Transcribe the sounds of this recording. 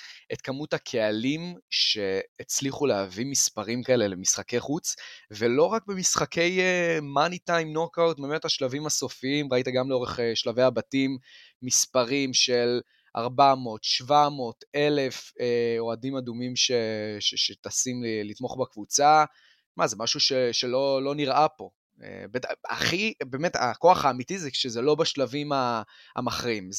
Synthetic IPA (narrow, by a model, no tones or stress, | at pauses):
ʔet̪kamuthakʰe̞alimʃe̞ːt͡sliχuleavimispaʁimkae̞lelemisχake̞jχut͡svelo̞ʁak̚bemisχakʰe̞jemanitajmnokawt̚bemetaʃlavimaso̞fiimʁaitaɡamleo̞ʁeχeʃlavejabatimː | ispaʁimʃel | ʔa̰ʁbamo̞ːtʃvamo̞ːte̞le̞feo̞adimadumimʃeʃeʃet̪asimlit̪mo̞χbakvut͡sa | ʃmazemaʃuʃeʃelo̞lo̞niʁʔapo̞ | ḛbeta̰χibe̞ːme̞ta̰ko̞aχaːmitizɛʃezelo̞baʃlavimaa̰maχʁim